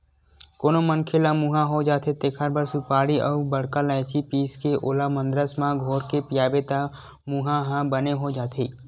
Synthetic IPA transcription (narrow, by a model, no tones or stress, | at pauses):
koːnomənkʰelamuɦãɦod͡ʒaːt̪ʰet̪ekʰəɾbəɾsupaːɽiʔɔbəɽkalaet͡ʃʰipiːskeʔoːlamə̃nd̪ɾəsmãɡʱoːɾkepɪjaːbet̪a | muɦãɦãbəneɦod͡ʒaːt̪ʰeː